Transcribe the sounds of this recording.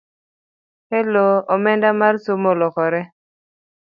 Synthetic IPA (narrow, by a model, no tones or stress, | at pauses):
hɛloomɛndamarsomolɔkɔɾɛ